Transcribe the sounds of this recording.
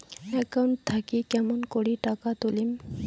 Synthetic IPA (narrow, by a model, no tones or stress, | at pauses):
ɛkawɳʈ̚t̪ʰakikɛmɔnkoɽiʈakat̪olim